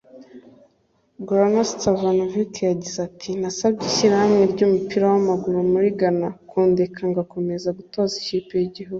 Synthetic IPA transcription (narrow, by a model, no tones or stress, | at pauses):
ɡɾanastavanovikjaɟizatʰinasab̚ɟiʃiɾahamŋe̞ɾɟumupiɾawamaɡuɾumuɾiɡanakʰoːndekʰaŋɡako̞me̞zaɡutoːzi̥cipejiɟiɦuɡu